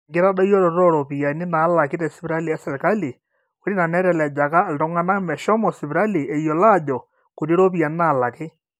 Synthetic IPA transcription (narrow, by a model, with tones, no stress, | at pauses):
ŋɡɪ˦ɾa˦da˦jɔ˦ɾɔ˨ɾɔ˦ɾɔ˨pi˨ja˨nɪ˦na˨˦la˨kɪ˦tɛ˨sɪ˦pɪ˦ɾa˦li˨ɛ˦sɛ˨lka˦li˨ | o˦ɾi˦na˨nɛ˦ɾɛ˨lɛ˨d͡ʒa˨ka˦˨ltɔ˦ŋa˦na˦mɛ˨ʃɔ˦mɔ˨si˨bi˨ɾa˦li˨ɛ˨jɔ˨la˦˨d͡ʒɔ˨ | ko˨ɾi˦ɾo˦p̬i˨ja˨nɪ˦na˨la˨kɪ˦